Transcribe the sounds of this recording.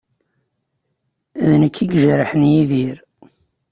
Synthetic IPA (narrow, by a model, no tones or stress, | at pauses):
æðnəkʰːiɡʒəɾəħənjiðiɾ